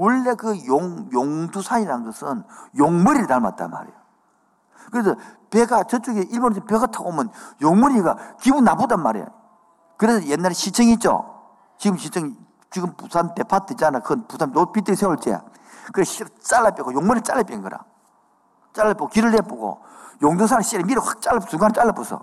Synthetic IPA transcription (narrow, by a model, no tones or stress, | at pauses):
wɯɭːekɯjoŋjoŋdusʰaɲiɾannɡʌsʰɯnjoŋmɯɾiɾɯnaɭma̰t̚t͈a̰nma̰ɾḛjo | kɯɾesʰʌpeɡat͡ɕʌt͡ɕ͈uɡeʔiɭbonesʰɯpe̞ɡatʰaɡomɯnjoŋmɯɾiɡakibunːabudanmaɾḛjo̰ | kɯɾesʰʌjenːaɾeɕʰit͡ɕʰɯŋit͡ɕ͈o̰ | t͡ɕiɡɯmɕʰit͡ɕʰɯŋ | t͡ɕiɡɯmpusʰantepʰatʰɯit͡ɕanakɯɯnpusʰannopit̬͈ɯɡisʰewuɭt͡ɕ͈ḛ | kɯɾeɕiɾt͡ɕ͈alːap͈ʼjeɡojoŋmoɾit͡ɕ͈ʼalːap͈enɡɯɾa̰ | t͡ɕ͈aɭːap͈ːiɡokiɾɯɭep͈oɡo̰ | joŋdosʰanaɕʰiɾemiɾɯhḁk̚t͡ɕ͈aɭlːapsuŋɡanet͡ɕ͈aɭːap͈usʰʌ̰